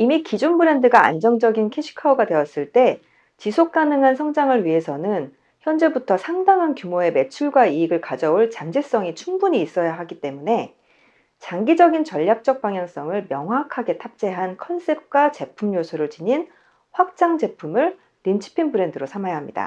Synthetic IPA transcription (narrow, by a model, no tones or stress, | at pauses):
imikid͡ʑunbɯɾe̞ndɯɡaa̰nd͡ʑʌŋd͡ʑʌɡinkʰeɕʰi̥kʰaoɡadwe̞ʌs͈ɯɭt͈e̞ | t͡ɕisʰok̚k͈anɯŋɦansʰʌŋd͡ʑaŋɯɭɥiɦe̞sʰʌnɯn | çjʌnd͡ʑe̞butʰʌsʰaŋdaŋɦankjumoe̞me̞t͡ɕʰuɭɡwaiːɡɯɭkad͡ʑʌuɭt͡ɕaŋd͡ʑes͈ʌŋit͡ɕʰuŋbuɲiːs͈ʌjaɦaɡit͈e̞mune̞ | t͡ɕaŋɡid͡ʑʌɡint͡ɕʌʎːak̚t͡ɕ͈ʌk̚p͈aŋjaŋs͈ʌŋɯɭmjʌŋɦwakʰaɡe̞tʰap̚t͡ɕ͈e̞ɦankʰʌns͈ʰe̞p̚k͈wat͡ɕe̞pʰumjosʰuɾɯɭt͡ɕiɲin | ɸwak̚t͡ɕ͈aŋd͡ʑe̞pʰumɯɭ | nint͡ɕʰi̥pʰinbɯɾe̞ndɯɾosʰamajaɦamɲida̰